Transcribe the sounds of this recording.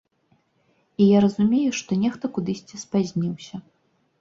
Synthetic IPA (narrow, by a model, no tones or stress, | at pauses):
ijaɾɐzumʲejuʂt̪ɔnʲɛxt̪ɐkud̪ɨsʲt͡sʲispazʲnʲiwsʲɐ